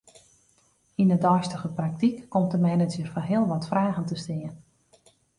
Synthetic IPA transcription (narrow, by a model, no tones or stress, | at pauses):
inədɔjstəɣəprak̚tikːɔmtəmɛjnətyərfɔnɦɪəlˠʋɔtfraːɣəntəstɪːən